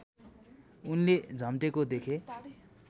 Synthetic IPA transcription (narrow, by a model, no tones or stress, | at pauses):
unled͡zʱʌmʈekod̪ekʰe